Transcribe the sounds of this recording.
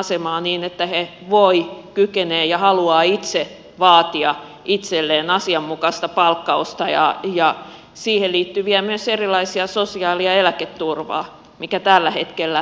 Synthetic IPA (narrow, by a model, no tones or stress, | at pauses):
ɑsemɑːniːnet̪ːæheʋoikykeneːjɑhɑluɑːit̪se | ʋɑːt̪iɑ | ʔit̪selːeːnɑsiɑmːukɑst̪ɑpɑlkːɑust̪ɑjɑ̰jɑ | siːhelliːt̪ːyʋiæmyøserilɑisiɑsosiɑːliɑelæket̪ːurʋɑ̰ː | mikæt̪ælːæhet̪kelːæ